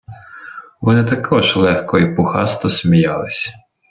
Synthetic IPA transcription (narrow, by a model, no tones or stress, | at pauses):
ʋɔnɪt̪ɐkʰɔʒlˠɛxkɔipʊxɑst̪ɔsmʲijɑlˠɪsʲ